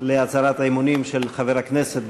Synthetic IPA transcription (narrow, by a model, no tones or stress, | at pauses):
leat͡saɾat̪aemunimʃelχaveʁakneset̪